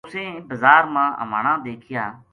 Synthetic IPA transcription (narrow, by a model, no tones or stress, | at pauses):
ʊsẽːbəzaːɾmãːʔə̰ʋaːɳãːd̪eːkʰɪjaː